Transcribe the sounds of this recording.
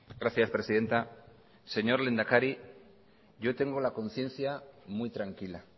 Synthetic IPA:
ɡɾaθjaspɾe̞siðe̞nt̪a | se̞ɲo̞ɾlend̪akaɾi | ʝo̞t̪e̞ŋɡo̞lako̞nθje̞nθjamwujt̪ɾaŋkila

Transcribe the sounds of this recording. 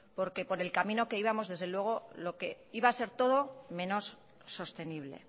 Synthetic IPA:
po̞ɾke̞po̞ɾe̞lkamĩno̞ke̞iβamo̞zðe̞zðelwe̞ɣ̞o̞lo̞ke̞ | iβaːse̞ɾt̪o̞ðo̞mẽ̞no̞sː | o̞st̪e̞niβle̞̰

